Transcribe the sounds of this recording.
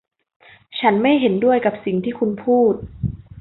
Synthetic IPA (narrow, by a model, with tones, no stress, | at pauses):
t͡ɕʰa˦˥nma˥˩jɦe˩˦ndu˥˩əjka˨˩p̚si˨˩ŋt̪ʰiː˥˩kʰu˧npʰuː˥˩t̪̚